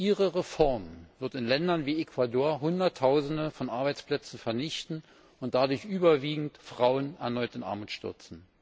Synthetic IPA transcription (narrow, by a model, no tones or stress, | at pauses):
ʔiːʁəʁefɔɐmv̥ɪɐtɪnlɛndɐnviːekvadoːɐɦʊndɐtʰːaʊzn̩dəfɔnʔaɐbaɪt͡spl̥ɛt͡sn̩fɛɐnɪçtn̩ | ʊnt̚d̥adʊɐçʔyːbɐviːɡŋ̩tfʁ̥aʊənɛɐnɔʏtɪnʔa̰ɐmuːtʃtʏ̰ɐt͡sn̩